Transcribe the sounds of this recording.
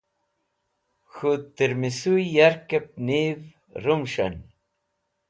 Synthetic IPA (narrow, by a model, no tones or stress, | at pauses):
xut̪iɾmisujjaɾkep̚niv | ɾumʃɐ̰n